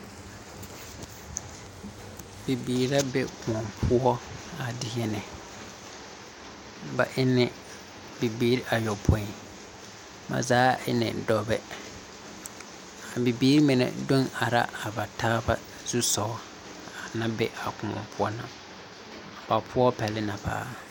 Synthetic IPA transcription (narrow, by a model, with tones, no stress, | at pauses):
bi˨biː˨ɾa˦bɛ˦kʊ̃˨ɔ˨mpʰʊ˦ɔ˦a˨dɪ˦ɦɛ˦nɛ˨ | ba˨ʔɪ˦nɛ˨ | bi˨biː˦ɾi˦ʔa˨jɔ˨pʰõ˦i˨ | ma̰˨zaː˨˦ɪ˦nɛ̰˨dɔ˦bɛ˦ | a˨bi˨biː˦ɾi˦mɪ˨nɛ̰˨do˦na˨ɾa̰˦ʔa˨ba˨taː˦ba˦ | z̥u˦sɔː˨˦ | a˨nã˦bɛ˦ʔa˨kʊ̃˨ɔ̰˨mpʰʊ˦ɔ˦na˨ | ba˨pʰʊ˦ɔ˦pɛ˨lɪ˦na˨pa̰ː˦